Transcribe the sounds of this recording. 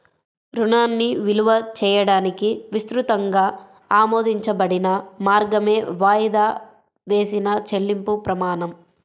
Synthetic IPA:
ɾunaːnːiʋiluʋɐt͡ʃɛːjɐɽaːnikiʋist̪ɾut̪ɐŋɡaː | aːmoːd̪ʱiɲt͡ʃɐbɐɽinɐmaːɾɡɐme̞ːʋaːjid̪aː | ʋe̞ːsinɐt͡ʃe̞lːimpupɾɐmaːnɐm

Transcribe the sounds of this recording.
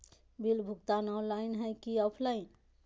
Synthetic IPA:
bilbʱukt̪anɔwlainɦəjkiɔpʰlaɪn

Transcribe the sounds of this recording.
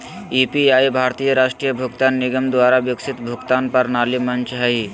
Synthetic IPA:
ipiaːjbʱaːɾt̪iːjəɾaːʃʈɾijəbʱʊɡt̪aːnːɪɡəmd̪ʋaːɾaʋjʊksɪt̪bʱʊɡt̪aːnpɐɾnaːlimɐnt͡ʃɦəɦi

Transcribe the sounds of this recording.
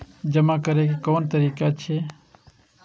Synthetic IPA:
d͡ʒəmakəɾek̬ekoːnt̪əɾiːkat͡ʃʰeː

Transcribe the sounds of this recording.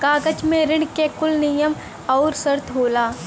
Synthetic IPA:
kaːɡət͡ʃmẽɾɪɽkekʊlnijəm | ɔːɾsəɾt̪ʰɦoːlaː

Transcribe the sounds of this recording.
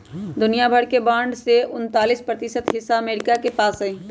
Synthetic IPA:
d̪ʊnijabʱəɽkebãːɳɖseʊnt̪aːlispɾət̪ɪsət̪ɦɪsːaɐmeːɾɪkakepaːsɦɛẽː

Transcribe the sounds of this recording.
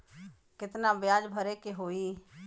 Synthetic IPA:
kɪt̪nabjaːd͡ʒbʱəɾekeɦoːiː

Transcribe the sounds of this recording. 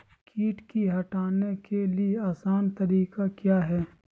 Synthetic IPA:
kʰiːʈkiɦɐʈaːnekelieaːsaːnt̪ɐɾiːkakjaːɦɛː

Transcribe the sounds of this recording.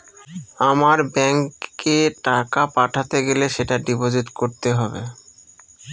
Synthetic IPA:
amaɾbɛŋkːeʈakapaʈʰat̪eɡeleʃeʈaɖibod͡ʑut̪koɾt̪eɦɔbḛ

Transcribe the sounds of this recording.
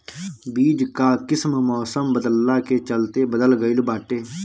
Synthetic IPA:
biːd͡ʒkaːkɪsmmɔːsəmbəd̪əlːaːkeːt͡ʃəlt̪eːbəd̪əlɡəilbaːʈeː

